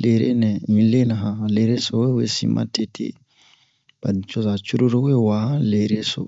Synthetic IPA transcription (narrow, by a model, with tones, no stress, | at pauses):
leɾḛ˦nɛ˨mĩ˨le˦naɦãle˨ɾe˦sɔwe˦we˦sḭmʔa̰˦te˨tʰḛ˦ | b̥anit͡ʃɔ˦za˨t͡ʃu˦ɾu˦ɾo˦we˦wa˨hã˦le˨ɾe˦so̰